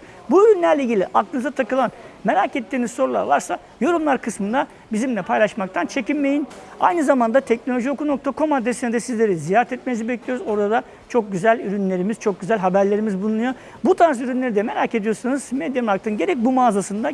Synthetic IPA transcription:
buyɾynlʲæɾlʲeiɟilʲiʔak̚t̪ʰɯnɯzat̪ʰakɯlˠanme̞ɾaːcet̪ʰːiːnizso̞ɾulˠa̰ɾlˠaɾsa | jo̞ɾumlˠaɾkʰɯsmɯnd̪a | bizimlʲɛpʰajlˠaʃmak̚t̪ʰant͡ʃʰe̞cinme̞jin | a̰jnɯzamand̪at̪ʰɛc̚no̞lʲo̞ʒio̞kuno̞kt̪ʰakʰo̞mad̪esinɛd̪ɛsizlʲe̞ɾizijaɾɛt̪ʰɛt̪̚menizibɛclʲijoɾuzo̞ɾad̪a | t͡ʃʰo̞k̚ɟyzælʲyɾynlʲe̞ɾimiz̥t͡ʃʰo̞k̚ɟyzælʲɦabæɾlʲe̞ɾimizbulˠunˠujo̞ | but̪ʰaɾsyɾynlʲe̞ɾid̪ɛme̞ɾaːce̞d̪ijo̞ɾsanuz̥med̪jamak̚t̪ʰɯnɟe̞ɾɛc̚bumaːzasɯnd̪a

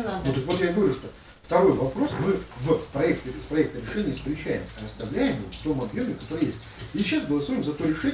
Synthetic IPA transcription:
not̪ɨkvot̪jaɡɐvɾʲuʂt̪o | ft̪ɐɾo̞jvɐpɾo̞smɨvəpɾɐɛkt̪əspɾɐɛk̚t̪əɾʲɪʂɛnʲɪjəfskɾʲɪt͡ɕæjɪ̰mɐɐst̪ɐvlʲæjɪmvɨft̪o̞mɐbjo̞mʲɪkɐ̥t̪o̞ɾəjesʲtʲ | ɕːasbəlˠɐsuɾɪmzɐt̪o̞ɾʲɪʂɛ

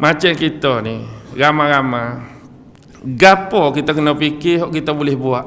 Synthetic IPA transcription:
mat͡ʃankit̪ɔniɾamaɾama | ɡapɔkit̪akənapikɪɦɔʔkit̪abulɛhbuaʔ

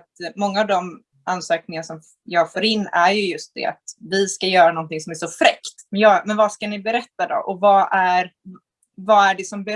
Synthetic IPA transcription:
t̪mɔŋːaːvd̪ɔm | ansøːk̚nɪŋanasɔm | jɑːɡfoːɾɪnːæɾjɵjɵst̪̚d̪ɛ̰a̰t̪vɪskajœːɾanɔnt̪ɪŋsɔmæʂɔfɾɛkt̪mɛnjɑmɛnvaskanɪbɛɾɛt̪ːad̪ɔ̰ʔɔvaʔæɾ | vaæɖɛsɔmbɛ

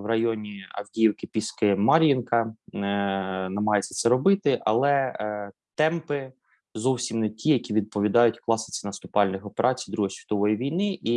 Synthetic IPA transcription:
wrɐjɔnʲiɐ̰wdʲijiwkɪpʲiskɪmɑɾʲjinkɐ | nɐmɦɑjet͡sʲːɐ̥t̪sɛɾɔbɪt̪ɪʔɐ̰lˠɛ | t̪ɛmpɪ | zɔwsʲimnɛtʲʰijɐkʲiʋʲid̪̚pɔʋʲid̪ɑjʊtʲklˠɑsɪ̥t͡sʲinɐst̪ʊpɑlʲnɪxɔpeɾʔɑt͡sʲijd̪ɾuɦɔsʲʋʲit̪ɔʋɔjiʋʲijnɪʔi

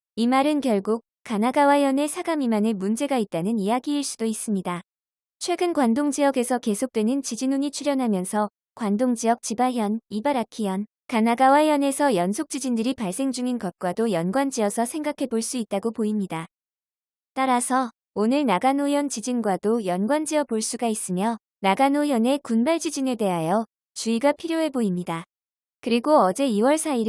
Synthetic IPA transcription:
imaɾɯnkjʌɭɡuk̚k͈ːanaɡawajʌne̞sʰaɡamimanemund͡ʑe̞ɡait̚t͈anɯnijaɡiːɭs͈udois͈ɯmɲida | t͡ɕʰwe̞ɡɯnkwandoŋd͡ʑijʌɡe̞sʰʌke̞sʰok̚t͈we̞nɯnt͡ɕid͡ʑinuɲit͡ɕʰuɾjʌnɦamjʌnsʰʌ | kwandoŋd͡ʑiʌk̚t͡ɕibaɦjʌnibaɾakʰijʌn | kanaɡawajʌne̞sʰʌjʌnsʰok̚t͡ɕ͈id͡ʑindɯɾipaɭs͈e̞ŋd͡ʑuŋinkʌp̚k͈wadojʌnɡwand͡ʑiʌsʰʌsʰe̞ŋɡakʰe̞boɭs͈uit̚t͈aɡopoimɲida | t͈aɾasʰʌ | onɯɭnaɡanojʌnt͡ɕid͡ʑinɡwadojʌnɡwand͡ʑiʌpoɭs͈uɡais͈ɯmjʌ | naɡanojʌne̞kunbaɭd͡ʑid͡ʑine̞de̞ɦajʌ | t͡ɕuiɡapʰiɾjoɦe̞boimɲida | kɯɾiɡoʌd͡ʑe̞iwʌɭsʰai

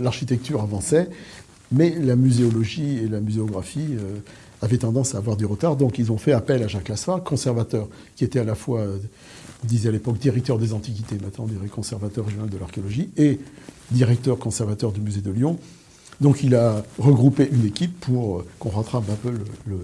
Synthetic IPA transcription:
laʁʃit̪ɛk̚t̪yʁavɑ̃sɛ | mɛlamyzeɔlɔʒielamyzeɔɡʁafiø | avɛt̪ɑ̃d̪ɑ̃saːvwaʁd̪yʁət̪aʁd̪ɔ̃kilzɔ̃fɛapɛlaʒaklasakɔ̃sɛʁvat̪œʁ | kʲiet̪ɛalafwaø̃ | d̪izɛalepɔkd̪iʁɛk̚t̪œʁd̪ezɑ̃t̪ik̬ʲit̪emɛ̃t̪nɑ̃ɔ̃d̪iʁɛkɔ̃sɛʁvat̪œʁːeʒjɔnald̪əlaʁkeɔlɔʒie | d̪iʁɛk̚t̪œʁkɔ̃sɛʁvat̪œʁd̪ymyzed̪əljɔ̃ | d̪ɔ̃kilaʁəɡʁupeʔynekʲipːuʁkɔ̃ʁɑ̃t̪χapɛ̃pølələ

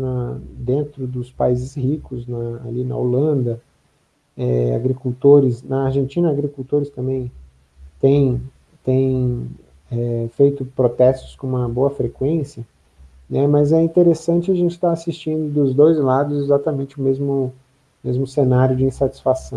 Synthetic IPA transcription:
nɐd̪ẽnt̪ɾʊd̪ʊspaizɪshikʊznɐa̰linɐ̰olɐ̃nd̪ɐ | ɛa̰ɡɾikuwt̪oɾɪsnɐːɾʒẽnt͡ʃĩnɐaɡɾikult̪oɾɪst̪ɐ̃mbẽj̃ | t̪ẽj̃ | t̪ẽj̃ | ɛfejt̪ʊpɾot̪ɛst̪ʊ̥skõũmɐboɐfɾekwẽsjɐ | nɛmɐzɛĩnt̪eɾesɐ̃nt͡ʃɪaʒẽnt͡ʃɪ̥t̪aasist͡ʃĩnd̪ʊd̪ʊzd̪ojzlad̪ʊzezat̪ɐmẽnt͡ʃɪʊmezmʊ | mezmʊsenaɾjʊd͡ʒɪĩsat͡ʃi̥sfasɐ̃w̃

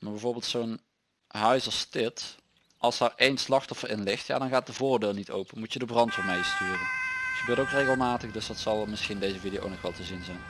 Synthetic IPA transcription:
maːɹbɛjvoːɹbeːlˠtsown | ɦœɥsɑstɪt | ʔɑlˠsaɹejnslɑxtɔfərɪnlɪxtja̰ːdɑnɣaːt̚dəvʊːɹdeːlˠnito̰wpənmutjədəbrɑntfɔmejstyːrəntxəbøːɹtowkrejɣəlˠmaːtəxdɵsdɑtsɑlˠmɪsxindejzəvidijo̰nɔxʋɛlˠtəzinzɛjn

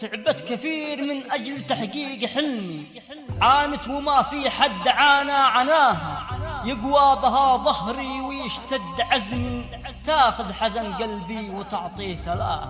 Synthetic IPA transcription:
t̪ɪʕbat̪kaθiːɾmɪnʔad͡ʒlt̪aħɡiːɡħɪlmi | ʕaːnɪt̪wɪmafiħad̪ːʕaːnaʕanaːɦajɪɡwaːbɦaðˤɑhɾiwɪjɪʃt̪ad̪ːʕazmi | t̪aːxʊðħazanɡalbiwɪt̪ʊʕt̪ˤiːsala̰ːh

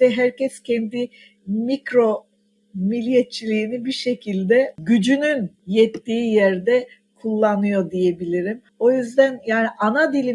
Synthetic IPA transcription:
ɛɦæɾcɛscʰɛnd̪i | mikɾo̞ | milʲijet͡ʃʰːilʲiːnibiʃe̞cʰilʲd̪ɛɟyd͡ʒynynjɛt̪ːiːjæɾd̪ɛ | kʰulˠːanɯjo̞d̪ije̞bilʲiɾim | o̞jyzd̪ænjaːniʔanad̪ilʲi

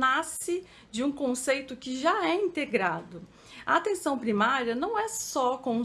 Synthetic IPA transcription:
nasɪ | d͡ʒɪũkõsejt̪ʊkɪʒaɛĩnt̪eɡɾad̪ʊ | ɐat̪ẽsɐ̃w̃pɾimaɾiɐnɐ̃w̃ɛsɔkõ

